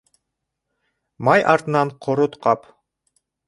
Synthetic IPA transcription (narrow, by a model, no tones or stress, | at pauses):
mɑjʔɑɾt̪ɤ̆nɑɴqʰoɾot̪qʰɑp